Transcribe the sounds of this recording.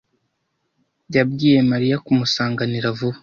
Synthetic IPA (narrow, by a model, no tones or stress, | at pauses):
ɟab̚ɡiːje̞maɾijakumusaːŋɡaniɾavuβa